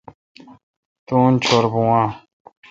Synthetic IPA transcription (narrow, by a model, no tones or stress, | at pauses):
t̪uːnt͡ɕʰoɾbũãː